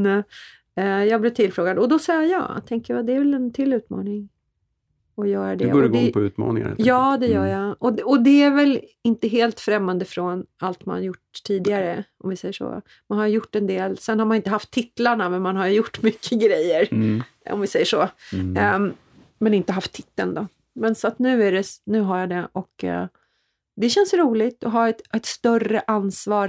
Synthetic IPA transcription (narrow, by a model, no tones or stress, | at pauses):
nɛ | ɛjɑːɡblɪt̪ʰɪlfɾoːɡad̪əɔd̪ɔsɑjjɑ̰ːt̪ʰɛŋkəjad̪ɛæɾvɛlɛnt̪ʰɪlːʉ̟ːt̪mɑ̰ːnɪŋ | ɔjœːɾaɖɛ̰ːɾəd̪ɛpʰɔʉ̟ːt̪mɑ̰ːnɪ̰ŋa̰ɛ̰ljɑːd̪ɛjœːɾjaɔɔd̪ɛæɾvɛlɪnt̪əɦeːlt̪fɾɛmːand̪əfɾɔnalt̪ma̰njʊʈt̪ʰiːd̪ɪaɾəɔmvɪsɛjːəʂɔ̰ː | manhaɾjəjʊʈːɛnd̪eːlsɛnːhaɾmanɪnt̪əɦaft̪ʰːɪt̪laɳamɛnmanɦaɾjɵjʊʈːmʏkʰːəɡɾɛjːəɾ | ɔ̰mvɪsɛjːəʂɔ | mɛnɪnt̪əɦaft̪ʰːɪt̪ːəld̪ɔ | mɛnsɔat̪nʉ̟ːæɾɛnʉ̟ːɦaɾjad̪ɛʔɔk | d̪ɛɕɛnsɾuːlɪɡt̪ɔɦɑːɛt̪ɛt̪st̪œrəʔansvɑːɾ